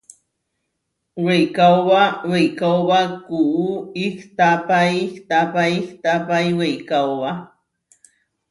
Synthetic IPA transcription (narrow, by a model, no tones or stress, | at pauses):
wejkawbawejkawbakuuikt̪apaiht̪apaiht̪apajwejkawwa